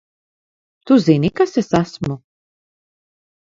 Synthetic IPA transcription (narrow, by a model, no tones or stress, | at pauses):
t̪uzɛnikasɛsasmɔ